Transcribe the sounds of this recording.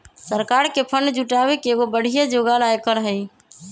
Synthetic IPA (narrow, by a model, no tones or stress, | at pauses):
səɾkaɾkepʰənd͡ʒuʈawekeɡobəɽ̤ijad͡ʒoɡalajkəɾɦəj